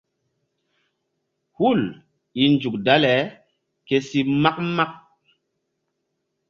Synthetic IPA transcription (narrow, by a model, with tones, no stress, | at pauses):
hu˦˨l | i˨nd͡ʒu˨kda˦lɛ˨˦ | ke˦si˦ma˦k̚ma˦k̚